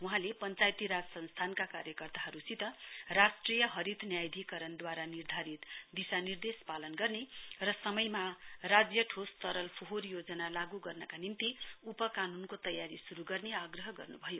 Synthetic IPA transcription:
wuɦãlepʌnt͡sajt̪iɾad͡zʌsʌnst̪ʰankakaɾjʌkʌrt̪aɦʌɾusit̪ʌrasʈrijʌɦʌɾit̪njajd̪ʱikʌɾʌnd̪waɾanird̪ʱaɾit̪d̪isanird̪espalʌnɡʌrnerʌsʌmʌjmarad͡zjʌʈʰost̪ʌɾʌlpʰoɦorjod͡zʌnalaɡuɡʌrnʌkanint̪iupʌkanunkot̪ʌjaɾisuɾuɡʌrneaɡrʌɦʌɡʌ̰rnubʱʌjo

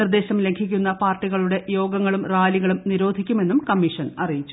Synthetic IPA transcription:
ird̪e̞ːɕɐmle̞ŋɡʰʱikʲːunːɐpaːrʈːiɣɐɭuɽe̞jo̞ːɡɐŋːɐɭumraːliɣɐɭumniɾo̞ːd̪ʱikʲːume̞nːumkɐmːiʂɐnɐrijit͡ɕːu

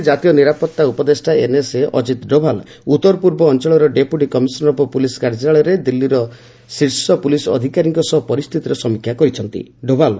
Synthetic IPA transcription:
d͡ʒat̪ijɔniɾapɔt̪ːaupɔd̪esʈaeneseʔɔ̰d͡ʒit̪ɖobʱal | ut̪ɔɾpuɾbɔːnt͡ʃɔɭɔɾɔɖepuʈikɔmisɔnɾɔpɔpulisɔ̥kaɾd͡ʒiɾaɭɔɾed̪ilːiɾɔ | siɾsɔpulisɔ̰d̪ʱikaɾiŋkɔsɔɦpɔɾist̪ʰit̪iɾesɔmikʰːjakɔɾit͡ʃʰɔnt̪ḭɖobʱal

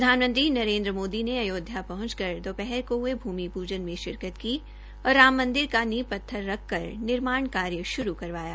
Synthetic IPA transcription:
pɾɐd̪ʱaːnmə̃nt̪ɾinɐɾẽːnd̪ɾəmoːd̪ineɐjoːd̪ʱjapɐɦʊ̃nt͡ʃkɐɾd̪oːpɛɦɛɾkoɦuebʱuːmipuːd͡ʒənmẽʃɪɾkət̪ki | ɔːɾːaːmːɐ̃nd̪ɪɾkanipɐt̪ʰːəɾːɐkʰːɐɾnɪɾmaːɳkaːɾjəʃʊɾukɐɾʋaːja̰ː

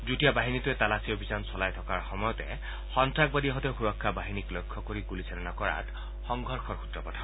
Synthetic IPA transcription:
dutijabaɦinituɛt̪alasiobʱisansɔlajtʰɔkaɹxɔmɔjɔt̪ɛ̰ | xɔntɹak̚badiaɦɔteʊxuɹɔkʰːabaɦiniklojkʰːɔkoɹiɡulisɛnɔnakɔɹa̰t | xɔŋɡʱɔɹxʰɔɹxu̥t̪ɹɔpɔtʰa

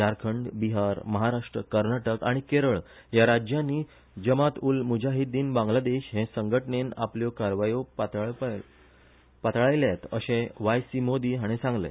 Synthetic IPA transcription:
aɾkʰəɳɖbiɦaɾməɦaɾaʂʈɾəkəɾnaʈəkaɽ̃ikeɾəɭ | jaɾad͡ʑjãnːiː | d͡ʑəmat̪uːlmud͡ʑʱaɦid̪iːnbãŋɡlad̪eɕɦẽsəŋɡʱəʈɳena̰pljɔkaɾʋajopt̪ | pat̪ɭajljat̪əɕẽʋajsimod̪iːɦaɽ̃ẽsãŋɡlḛ

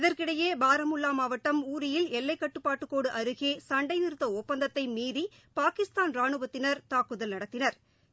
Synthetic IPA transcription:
ɪðɐɾkɪɽɐjeːbaːɾɐmʊlːaːmaːʋɐʈːɐmuːɾɪjɪlɛlːɐɪkːɐʈːɯpːaːʈːɯkːoːɽɯʔɐɾɯɣeːsɐɳɖɐɪnɪɾɯt̪ːɐɔpːɐnd̪ɐt̪ːɐɪmiːði | paːkɪst̪aːnɾaːɳɯbɐt̪ːɪnɐɾt̪aːkɯðɐlnɐɽɐt̪ːɪnɐɾ

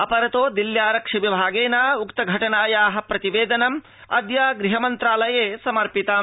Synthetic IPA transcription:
ɐpɐɾɐt̪oːd̪iljaːɾɐkʂɐʋibʱaːɡeːnaːukt̪ɐɡʱɐʈɐnaːjaːɦɐ̆pɾɐt̪iʋeːd̪ɐnɐm | ɐ̰d̪jaːɡɾiɦɐmɐnt̪ɾaːlɐjeːsɐmɐɾpit̪ɐ

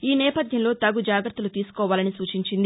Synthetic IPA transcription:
iːnɛːpɐd̪jɐmlo̞ːt̪ɐɡud͡ʒaːɡɾɐt̪ːulut̪iːsu̥kɔːʋaːlɐnisuːt͡ʃiɲt͡ʃind̪i

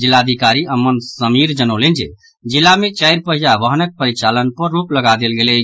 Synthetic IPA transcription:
d͡ʒilːad̪ʱikaɾiʔəmːənsəmiɾd͡ʒənəlend͡ʒḛ | d͡ʒilːamet͡ʃəjɾpəɦijaʋəɦnək̚pəɾit͡ʃalənpəɾːupləɡad̪elɡelɛ

